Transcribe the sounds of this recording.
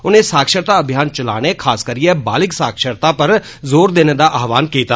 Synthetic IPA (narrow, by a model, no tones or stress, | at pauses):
ʊnẽsaːkʃəɾt̪aɐbʱjaːnt͡ʃɐla̰ːnekʰaːskəɾiẽbaːlɪksaːkʃəɾt̪apɐɾ | zoːɾd̪eːned̪aʔaːɦʋaːnkeːt̪aː